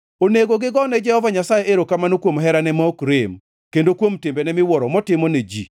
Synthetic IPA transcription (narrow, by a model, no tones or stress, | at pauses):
oneɡoɡɪɡɔnɛd͡ʒɛhɔvaɲasajeʔeɾokamanokwomɦɛɾanɛmɔokɾɪm | kendokwomtɪmbɛnɛmɪwɔɾɔmɔtɪmɔned͡ʒḭ